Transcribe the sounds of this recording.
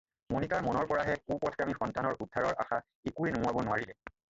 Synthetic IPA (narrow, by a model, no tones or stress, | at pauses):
monitaɹmɔnɔɹpɔɹaɦɛkupɔtʰamixɔntanɔɹʔudʱːaɹɔɹʔa̰xa | ekuenʊabɔnʊwaɹilɛ